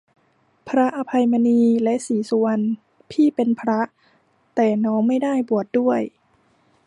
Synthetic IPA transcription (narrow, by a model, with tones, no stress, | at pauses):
pʰɾa˦˥ʔa˧pʰa˧jma˧niː˧lɛ˦˥ʔsiː˨˩˦su˧ən | pʰiː˥˩pe˧npʰɾa˦˥ʔ | t̪ɛː˨˩nɔː˦˥ŋma˥˩jdaː˥˩jbu˨˩ət̪̚du˥˩əj